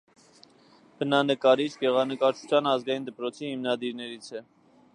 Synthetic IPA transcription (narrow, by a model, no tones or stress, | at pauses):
b̥ənɑnəkɑɾit͡sʰɡɛʁɑnəkɑɾt͡ʃʰu̥t͡sʰjɑnɑzɡɑjind̪əpɾɔt͡sʰihimnɑd̪iɾnɛɾit͡sʰɛ